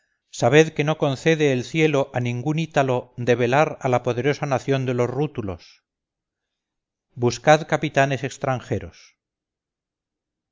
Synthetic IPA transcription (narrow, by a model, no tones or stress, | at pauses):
saβ̞e̞ðke̞no̞ko̞nθe̞ðeːlθje̞lo̞ʔanĩŋɡunit̪alo̞d̪e̞βe̞laɾalapo̞ðe̞ɾo̞sanaθjo̞nd̪e̞lo̞zrut̪ulo̞s | buskaðkapit̪ane̞se̞kst̪ɾaŋxe̞ɾo̞s